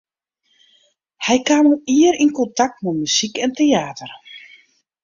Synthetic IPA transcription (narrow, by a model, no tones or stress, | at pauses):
hɛjkaːmuiəɾinkɔntak̚tmumysikɛnteaːtər